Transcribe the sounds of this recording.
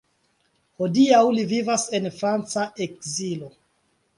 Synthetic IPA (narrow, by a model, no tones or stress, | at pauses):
ho̞diawlivivase̞nfɾant͡saʔe̞k̚zilo̞